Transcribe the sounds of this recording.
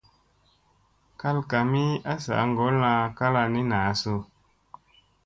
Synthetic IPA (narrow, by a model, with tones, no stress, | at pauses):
ka˦lka˨mi˦a˦sa̰˨˦ŋɡɔ˨˦lã˧ka˦la˧ni˦na˨˦so˧